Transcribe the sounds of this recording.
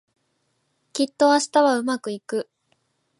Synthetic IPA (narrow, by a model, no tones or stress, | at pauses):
kʲit̪ːo̞aɕi̥t̪aβaɯ̟makɯ̟ikɯ̟